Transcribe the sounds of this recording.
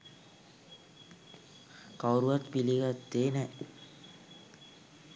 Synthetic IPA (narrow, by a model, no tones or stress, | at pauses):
kawɾuʋat̪piliɡat̪ːeːnɛ